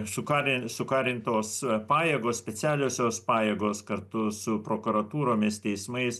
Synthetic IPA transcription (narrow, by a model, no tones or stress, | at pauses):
sʊkɑːɾʲɪsʊkɑːɾʲɪnt̪oːspɑːjeːɡoːssʲpʲɛt͡s̪ʲæːlʲoːsʲoːspɑːjeːɡoːskɐɾt̪ʊsʊpɾoːkʊɾɐt̪uːɾoːmʲɪst̪ʲɛɪsmɐɪs